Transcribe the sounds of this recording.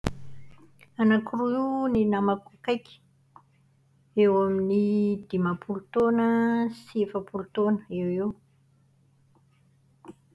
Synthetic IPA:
anakiruininamakakajkʲi̥ | ewaminid̪̥imapult̪onəsefəpult̪onə̥ewew

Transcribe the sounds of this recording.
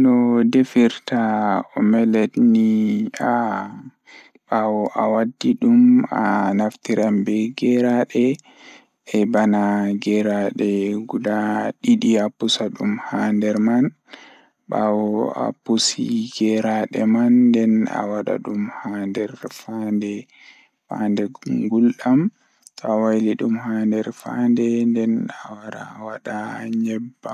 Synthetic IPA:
nɔdefiɾtaɔmɛlɛtnia | ɓawɔʔawadːiɗuma̰naftiɾambɛɡɛɾaɗɛ | ɛbanaɡɛɾaɗɛɡudaɗiɗiapusaɗumhaːndɛɾman | ba̰wɔa̰pusiɡɛɾaɗɛmanːdɛna̰waɗa̰ɗumhandɛɾfandɛ | fa̰ndɛɡulɗam | tʰɔawajliɗumhandɛɾfa̰ndɛndɛnawaɗa̰waɗaɲɛbːa

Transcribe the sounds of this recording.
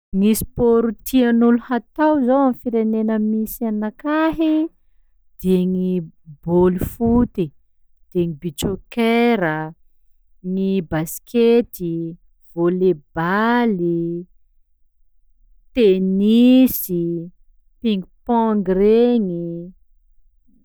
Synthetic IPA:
ŋisi̥poɾut̪ianuluhat̪awzawamfiɾenenəmisianakaɦi | d̪̥eŋibolifut̪i | d̪̥eŋibit͡ʃokeɾə | nibasket̪i | v̥oleb̥ali | t̪enisi | piŋɡuupɔŋɡreŋi

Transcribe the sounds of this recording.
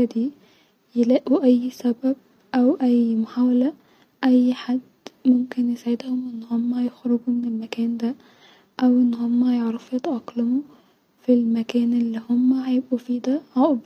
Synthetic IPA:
ad̪iː | jɪlæʔuʔæjːsæbæb̚ | ʔæwʔæjmʊħaːwalæ | ʔæjːħad̪ːmʊmkɪnjɪsaʕɪd̪hʊmʔɪnːhomːæjɪxɾʊɡumɪnɪlmækæːnd̪æ | ʔæwʔɪnːhomːæjeʕɾɑfjɑt̪ʔɑqlamu | filmækæːnʔɪlːihʊmːæhajɪbʔufiːd̪æʕaʔb

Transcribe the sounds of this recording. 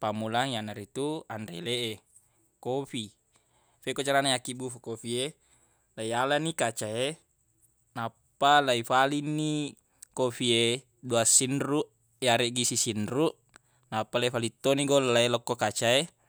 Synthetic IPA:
pamulaŋijanaɾit̪uandḛleʔe | kofi | fekot͡ʃaɾanajakibufukofie | lajalanikat͡ʃae | napːalaifalinːi | kofie | duasinɾuʔ | jaɾeʔɡisisinɾuʔ | napːalaifalit̪ːoniɡollailɔkːokat͡ʃae

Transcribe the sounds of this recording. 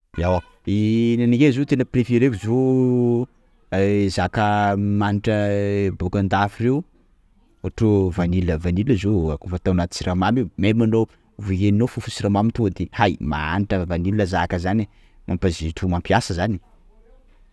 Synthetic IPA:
iawa | inaniɡezot̪enəprefeɾekuzo | zakəmaniʈ͡ʂəbokand̪afireu | aʈ͡ʂovaniləvaniləzoakufət̪awnat̪u̥t͡siɾamamiumemano | vuɦeninofufu̥siɾamamit̪ud̪ehajma̰a̰niʈ͡ʂəvaniliəzakəzani | mʔampaziʈ͡ʂumampiasəzani̥

